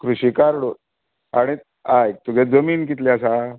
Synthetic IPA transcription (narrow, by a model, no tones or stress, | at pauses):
kɾuɕikaɾɽo | aɽ̃i | aj̚t̪uɡʱɛd͡zəmiːnk̬it̪liasa